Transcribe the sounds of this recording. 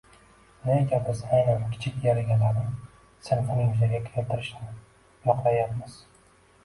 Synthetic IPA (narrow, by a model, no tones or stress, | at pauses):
naekʲaɾbɪzajnankʲʰɪ̥t͡ʃʰɪkʲjaɾaɡʲanlaɾɪ | sɪnfʊnɪŋjʊzaɡʲakʲʰɪɾalt̪ʰɪɾɪʃn | jɒqlˠajapmɪz̥